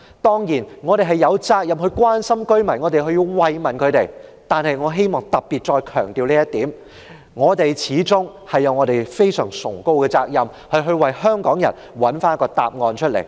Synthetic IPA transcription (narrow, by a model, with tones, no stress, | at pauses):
t̪ɔː˥ŋjiː˨˩nŋɔː˨˧ɾe˨˩ɦɐ˨jɐ˨˧wt͡saː˧k̚jɐ˨mhɵ˧ɥkwaː˥nsɐ˥mkɵ˥ɥmɐ˨˩nŋɔː˨˧t̪e˨jɦɵ˧ɥjiː˧wwɐ˨jmɐ˨˩nkʰɵ˨˧ɥt̪e˨jt̪aː˨nhɐ˨jŋɔː˨˧ɦe˥jmɔː˨ŋt̪ɐ˨˩p̚piː˨t̚t͡ʃɔː˧jkʰœː˨˩ŋt̪iː˨wliː˥jɐ˥t̪iː˨˥m | ŋɔː˨˧t̪e˨jt͡sʰiː˨˥t͡sʊ˥ŋ | hɐ˨jːɐ˨˧wŋɔː˨˧ɾe˨˩jfe˥jsœ̰ː˨˩ŋsʊ̰˨˩ŋko˧wkɛː˧t͡sa̰ː˧k̚jɐ˨m | hɐ˨˧ɥɦɵ˧ɥwɐ˨jhœː˥ŋkɔː˨˥ŋjɐ̰˨˩n | wɐ˨˥nfaː˥n˥kɔː˧t̪a̰ː˨p̚ŋɔː˨˧nt͡ʃʰɵ˥t̚lḛ˨˩j